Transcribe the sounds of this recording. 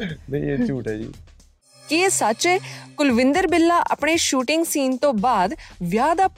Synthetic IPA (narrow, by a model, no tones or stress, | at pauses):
meet͡ʃuːʈaḭː | kɪesat͡ʃekʊlʋɪ̃nd̪əɾbɪlːaːʔə̰pɳ̃eːʃuːʈɪŋɡsiːnt̪õːbaːd̪ʋjaːd̪aːp